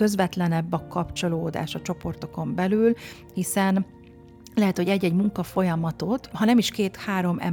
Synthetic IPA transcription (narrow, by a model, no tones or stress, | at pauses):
ø̞zvɛt̪lɛnɛbːɒkɒpt͡ʃo̞loːd̪a̰ːʃɒt͡ʃo̞po̞rt̪o̞ko̞mbɛlyːl | hisɛn | lɛɦɛt̪ho̞ɟɛɟːɛɟmuŋkɒfo̞jɒmɒt̪o̞t̪hɒnɛmiʃkeːt̪haːɾo̞mɛ̰